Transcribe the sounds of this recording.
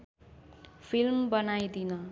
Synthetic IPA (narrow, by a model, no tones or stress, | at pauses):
pʰilmbʌnajd̪inʌ